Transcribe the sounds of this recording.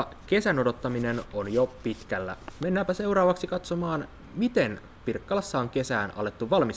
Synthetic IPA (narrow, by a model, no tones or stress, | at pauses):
k̟e̞sæno̞do̞t̪ːɑmine̞nonjopit̪k̟ælːæ̰me̞nːæːmpæse̞wɾɑːʋɑksikɑt̪so̞mɑːn | mit̪e̞n | pirkːɑlɑsːɑoŋk̟e̞sæːnɑ̰le̞t̪ːuʋɑlmis